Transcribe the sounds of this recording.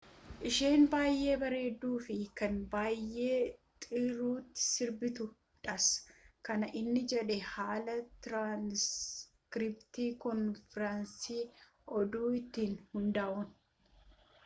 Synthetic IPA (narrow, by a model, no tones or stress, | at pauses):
ʔɪʃeːnbaːjʔːe̞ːbɐɾe̞ːd̪ːuːfɪkɐnbaːjːe̞ːt̪ʼɪɾuːt̪ːɪ̥sɪɾbɪt̪ʊ | ᶑɐskɐnɐʔɪnːɪd͡ʒɛᶑɛhaːlɐt̪ɾaːns | kɾɪpt̪iːkɔnfɾɐnsiː | ɔd̪uːɪt̪ːiːnhʊnd̪aːʔʊn